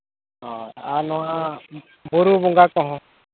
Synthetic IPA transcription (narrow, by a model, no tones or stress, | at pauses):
ɦɔanɔã | buɾubuŋɡakɔɦɔ̃